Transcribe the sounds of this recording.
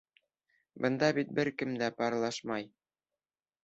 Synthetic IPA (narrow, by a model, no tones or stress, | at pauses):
bɤ̆nd̪ɑbit̪̚bɘɾkɘmd̪æpɑɾlˠɑʃmɑj